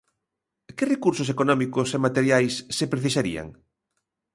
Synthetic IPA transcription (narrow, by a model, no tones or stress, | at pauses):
kɪrekuɾsʊs̬ekonɔmikʊsemat̪eɾjajsːepɾeθisaɾḭa̰ŋ